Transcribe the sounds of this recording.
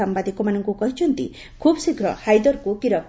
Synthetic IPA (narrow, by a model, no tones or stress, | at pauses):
ambad̪ikɔmanɔŋkukɔɦit͡ʃʰɔnt̪ḭ | kʰubsikɾɔ̰hajd̪ɔɾkukiɾɔk̚